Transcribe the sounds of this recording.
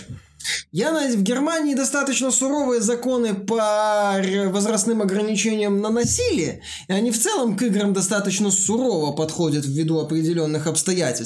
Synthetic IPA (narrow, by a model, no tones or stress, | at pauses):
janvɡʲɪrmanʲɪːd̪ɐst̪at̪ət͡ɕnəsʊɾo̞vɨjəzɐko̞nɨpəɾʲvəzɾɐsnɨmɐɡɾənʲɪt͡ɕenʲɪjəmnənɐsʲilʲɪə | ɪɐnʲift̪sɛlˠəmkɨɡɾəmd̪ɐst̪at̪ət͡ɕnəsʊɾo̞vəpɐt̪xo̞dʲət̪vːʲɪd̪uɐpɾʲɪdʲɪlʲo̞nːɨxɐpst̪ɐjætʲɪlʲs